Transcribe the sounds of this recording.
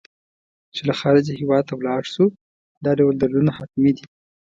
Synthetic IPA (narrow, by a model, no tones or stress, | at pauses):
t͡ʃelaxɑɾɪd͡ʒahiwɑd̪̚t̪awlɑɽʃu | d̪ɑɖawəld̪alunahak̪mid̪i